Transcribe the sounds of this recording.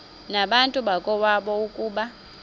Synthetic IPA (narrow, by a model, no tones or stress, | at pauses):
naɓantʼuɓakʼɔwaɓɔukʼuːɓa